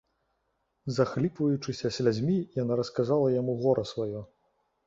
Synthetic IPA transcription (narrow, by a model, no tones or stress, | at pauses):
zaxlʲipvɐjut͡ʂɨsʲɐsʲlʲad͡zʲmʲijanaɾɐskazalˠɐjamuɣɔɾʔɐsvajɔ